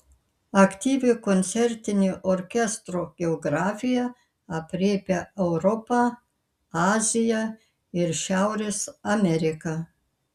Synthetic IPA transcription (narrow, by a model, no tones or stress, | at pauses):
ɐkt̪ʲiːʋʲɪkɔnʲt̪sʲɛɾʲt̪ʲɪnʲiʔoɾʲkʲɛst̪ɾoːɡ̥ʲɛɔɡɾɑːfʲɪjɛ | ɐpʲɾʲeːpʲeɛʊɾɔpɑ | ɑːzʲɪjɛ | ɪɾʃʲæʊɾʲeːsɐmʲɛɾʲɪkɑ